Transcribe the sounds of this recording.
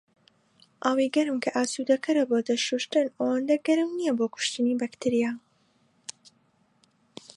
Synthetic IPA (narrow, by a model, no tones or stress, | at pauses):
ʔɐwiɡɐɾɨmkʰɐʔaːsud̪ɐkʰɐɾɐboːd̪ɐʃuʃt̪ɨnɐwɐnd̪ɐɡɐɾɨmnijɐboːkʊ̥ʃt̪ɨnibɐkt̪ʰiɾija